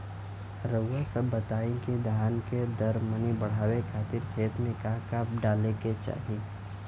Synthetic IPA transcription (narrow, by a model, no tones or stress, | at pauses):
ɾəwʋəsɐbːət̪aːĩked̪ʱjaːnked̪ɐɾmənibɐɽ̤aːwekʰaːt̪ɪɾkʰeːt̪mẽkakaːp̚ɖaːleket͡ʃa̰ːɦi